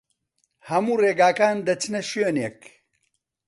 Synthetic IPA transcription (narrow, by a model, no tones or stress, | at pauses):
hɐmuːreːɡaːkaːnd̪ɐt͡ʃʰɨnɐʃøːneːk